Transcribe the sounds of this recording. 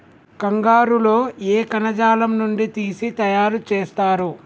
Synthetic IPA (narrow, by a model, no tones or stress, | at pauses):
kɐŋɡaːɾulo̞ːeːkɐnɐd͡ʒaːlɐmnuɳɖit̪iːsit̪ɐjaːɾut͡ʃeːst̪aːɾu